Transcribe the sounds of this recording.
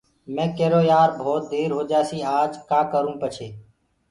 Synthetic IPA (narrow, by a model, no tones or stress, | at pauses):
mɛ̃ːkeːɾoːjaːɾbʱoːt̪̚d̪eːɾɦoːd͡ʒaːsiːaːd͡ʒkaːkəɾũːpət͡ʃʰeː